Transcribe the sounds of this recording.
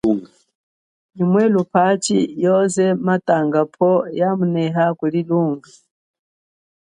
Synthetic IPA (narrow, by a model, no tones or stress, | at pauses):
ɲumwɛlupʰat͡ʃijɔzɛmatʼaŋɡapʰɔjamunɛɦakuliluːŋɡa